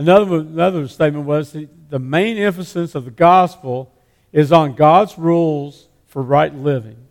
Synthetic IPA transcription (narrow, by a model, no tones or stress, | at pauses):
ənʌðə˞wʌnʌðə˞steɪt̚mə̃nʔwʌz̥i | ðɨmẽɪ̃nɪ̃ɱfɨsɨ̃nsʌvðɨɡɑspl̩ˠ | ɪzn̩ɡɑdzɹulˠz̥ | fə˞ɹaɪtˡlɪvɪ̃ŋ